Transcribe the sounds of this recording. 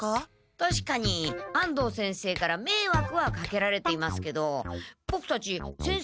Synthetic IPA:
t̪aɕi̥kaɲ̟iãnd̪o̞ːsẽɰ̃se̞ːkaɾame̞ːβakɯ̟βakake̞ɾaɾe̞t̪e̞imasɨ̥ke̞d̪o̞b̥o̞kɯ̟̥t̪at͡ɕisẽ̞ɰ̃

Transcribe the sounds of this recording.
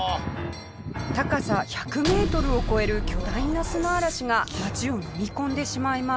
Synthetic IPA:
t̪akasaçakɯ̟me̞ːt̪o̞ɾɯ̟o̞ko̞e̞ɾɯ̟kʲo̞d̪ainːasɨnaːɾaɕiŋamaʑio̞nomʲikõ̞nd̪e̞ɕimaima

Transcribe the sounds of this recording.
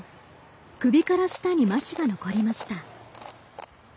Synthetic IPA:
kɯ̟bʲikaɾoɕi̥t̪aɲ̟imaçʲiɡano̞ko̞ɾʲimaɕi̥t̪a

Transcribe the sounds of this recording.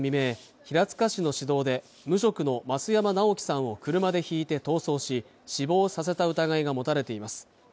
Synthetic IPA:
mʲime̞ː | çiɾat͡sɨ̥kaɕino̞ɕid̪o̞ːd̪e̞ | mɯ̟ɕ̬o̞kɯ̟no̞mat͡sɨjamanao̞kʲi̥sãɰ̃o̞kɯ̟ɾɯ̟mad̪e̞çiːt̪e̞t̪o̞ːso̞ːɕi | ɕibo̞ːsas̬e̞t̪aɯ̟t̪aɡaiɡamo̞t̪aɾe̞t̪e̞imasɨ̥

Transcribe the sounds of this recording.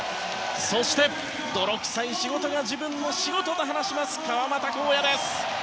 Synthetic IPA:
so̞ɕi̥t̪e̞ | d̪o̞ɾo̞kɯ̟̥saiɕiɡo̞t̪o̞ɡad͡ʑibɯ̟̃nːo̞ɕiɡo̞t̪o̞d̪oɦanaɕimasɨ̥kaβamat̪ako̞ːjad̪e̞sɨ̥

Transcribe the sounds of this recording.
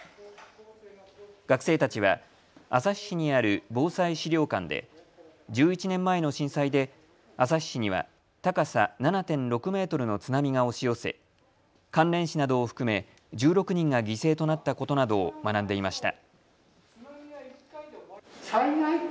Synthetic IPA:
ɡ̥akɯ̟̥se̞ːt̪at͡ɕiβa̰ | asaɕːiɲ̟iaɾɯ̟bo̞ːsaiɕiɾʲo̞ːkãnd̪e̞̰ | d͡ʑɨːit͡ɕinẽ̞mːae̞no̞ɕĩɰ̃said̪e̞ | asaɕːiɲ̟iβa̰ | t̪akasananat̪ẽ̞nɾo̞kɯ̟me̞ːt̪o̞ɾɯ̟no̞t͡sɨnamʲiɡao̞ɕijo̞se̞̰ | kãnɾẽ̞ɰ̃ɕinad̪o̞ːɸɯ̟̥kɯ̟me̞ | d͡ʑɨːɾo̞kɯ̟ɲ̟ĩŋɡaɡʲise̞ːt̪o̞nat̪ːako̞t̪o̞nad̪o̞ːmanãnd̪e̞imaɕi̥t̪a̰

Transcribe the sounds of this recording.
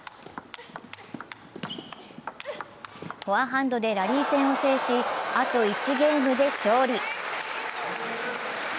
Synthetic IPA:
hoaɦãnd̪o̞d̪e̞ɾaɾʲiːsẽ̞ɰ̃o̞se̞ːɕiat̪o̞it͡ɕiɡe̞ːmɯ̟d̪e̞ɕo̞ːɾʲi

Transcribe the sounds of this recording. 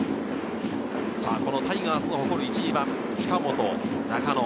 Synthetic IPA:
sa̰ːko̞no̞t̪aiɡaːsɨnoho̞ko̞ɾɯ̟it͡ɕibãŋ | t͡ɕi̥kamo̞t̪o̞na̰kano

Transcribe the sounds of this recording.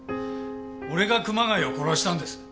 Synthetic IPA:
o̞ɾe̞ɡakɯ̟maŋaio̞ko̞ɾo̞ɕi̥t̪ãnd̪e̞sɨ̥

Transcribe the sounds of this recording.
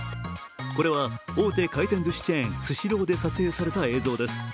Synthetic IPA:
ko̞ɾe̞βao̞ːt̪e̞ːkait̪eñd͡zɨɕi̥t͡ɕiẽɰ̃sɨɕiɾo̞ːd̪e̞sat͡sɨe̞ːsaɾe̞t̪ae̞ːzo̞ːd̪e̞sɨ̥

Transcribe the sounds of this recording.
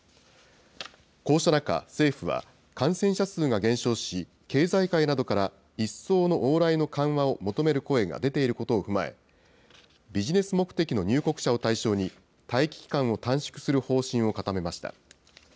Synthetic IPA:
ko̞ːɕonaka̰se̞ːɸɯ̟βa̰ | kãɰ̃sẽ̞ɰ̃ɕasɨːɡaɡẽ̞ɰ̃ɕo̞ːɕi | ke̞ːzaikainad̪o̞kaɾa | isːo̞ːno̞ʔoːɾaino̞kãɰ̃βao̞mo̞t̪o̞me̞ɾɯ̟ko̞e̞ɡa̰d̪e̞t̪e̞iɾɯ̟ko̞t̪o̞ːɸɯ̟maḛ | bʲiʑine̞sɨmo̞kɯ̥t̪e̞kʲino̞ɲ̟ɨːko̞kɯ̟̥ɕao̞t̪aiɕo̞ːɲ̟i | t̪aikʲi̥kʲi̥kãɰ̃o̞t̪ãɕi̥kɯ̟̥sɨɾɯ̟ho̞ːɕĩɰ̃o̞kat̪ame̞maɕi̥t̪a̰

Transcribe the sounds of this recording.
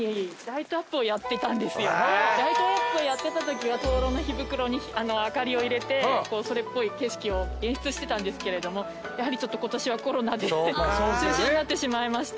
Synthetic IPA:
ed̪ait̪oapːɯ̟ojat̪ːe̞t̪ãnd̪e̞sɨjo̞d̪ait̪o̞apːɯo̞jat̪ːe̞t̪at̪o̞kʲiβ̞at̪o̞ːɾo̞ːno̞çibɯ̟kɯ̟ɾo̞ɲ̟iano̞akaɾʲio̞iɾe̞t̪e̞ko̞ːso̞ɾe̞pːo̞ike̞ɕi̥kʲio̞ẽ̞ɰ̃ɕɨ̥t͡sɨɕi̥t̪e̞t̪ãnd̪e̞sɨ̥ke̞ɾe̞d̪o̞mo̞ | jaɦaɾʲit͡ɕo̞t̪ːo̞ko̞t̪o̞ɕiβako̞ɾo̞nad̪e̞t͡ɕɨ̃ːɕĩɲ̟inat̪ːeɕimaimaɕi̥

